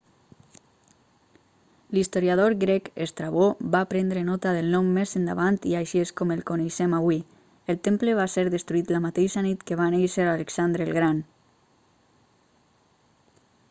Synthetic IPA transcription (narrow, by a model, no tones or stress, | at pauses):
list̪oɾjaðoɾɡɾɛkḛst̪ɾaβoβapɾɛnd̪ɾenɔt̪aðelˠnɔmːezend̪aβant̪iajʃieskomelˠkoneʃɛmaβwi | elˠt̪empləβaseɾðəst̪ɾuit̪lamat̪eʃanit̪keβ̞anejʃeɾaleksand̪ɾelɣɾan